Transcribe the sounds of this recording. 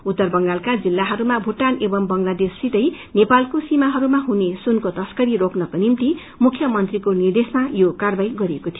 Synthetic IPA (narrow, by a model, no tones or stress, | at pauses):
ut̪ːʌrbʌŋɡalkad͡zilːaɦʌɾumabʱuʈːanebʌmbʌŋlad̪esːit̪ʌj | nepalkosimaɦʌɾumaɦunesunkot̪ʌskʌɾiɾoknʌkonimt̪i | mukʰjʌmʌnt̪rikonird̪esʌnajokarbajɡʌɾiekot̪ʰij